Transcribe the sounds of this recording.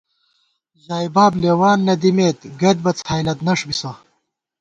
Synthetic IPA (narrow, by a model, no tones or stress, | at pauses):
ʑaːjbaːblewaːnːɐd̪imeːt̪ɡɐd̪̚bɐt͡saːjlɐt̪nɐʂbisɐ